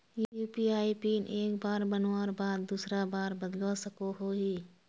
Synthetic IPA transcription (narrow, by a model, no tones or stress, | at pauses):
jjuːpiːaːipiːnʔeːkbaːɾbənwaːɾbaːd̪̚ːuːsɾabaːɾbəd̪losəkoɦoɦiː